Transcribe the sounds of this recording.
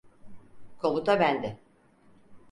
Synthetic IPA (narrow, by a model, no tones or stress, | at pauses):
kʰo̞mut̪ʰabænd̪ɪ